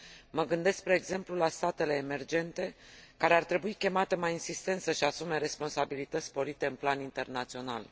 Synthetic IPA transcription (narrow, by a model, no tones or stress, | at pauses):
məɡɨnd̪e̞skspɾe̞ːɡze̞mplulast̪at̪e̞le̞ːme̞rd͡ʒe̞nt̪e̞kaɾe̞art̪ɾe̞buikʲe̞mat̪e̞majinsist̪e̞nt̪səʃiasume̞ɾe̞spo̞nsabilit̪ət̪sʲspo̞ɾit̪e̞ɨnplanint̪e̞rnat̪sio̞na̰l